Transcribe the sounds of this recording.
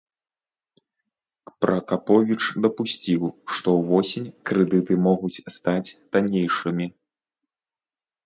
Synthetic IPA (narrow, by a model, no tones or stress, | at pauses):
pɾʔɐkapɔvʲit͡ʂd̪ɐpusʲt͡sʲiwʂt̪ɔwvɔsʲinʲkɾɛd̪ɨt̪ɨmɔɣut͡sʲst̪at͡sʲt̪anʲejʂɨmʲi